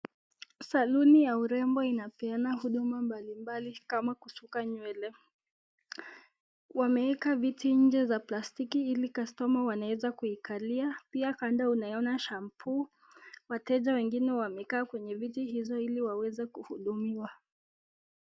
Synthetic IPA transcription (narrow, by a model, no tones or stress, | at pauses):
salunijauɾɛmbɔinapɛanahuɗumambalimbalikamakusukaɲwɛlɛ | wamɛɛkavitiɲ̩d͡ʒɛzaplastikiilikastɔmawanawɛzakuikʰaliapiakandaunajɔnaʃampʰu | watɛʄawɛŋɡinɛwamɛkaːkwɛɲɛvitihizɔiliwawɛzɛkuhuɗumiwa